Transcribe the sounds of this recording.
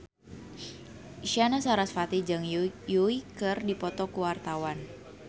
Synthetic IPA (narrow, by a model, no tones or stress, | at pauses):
ʃanasaɾasfat̪id͡ʒɨŋjuikərdipɔt̪ɔkuwart̪awan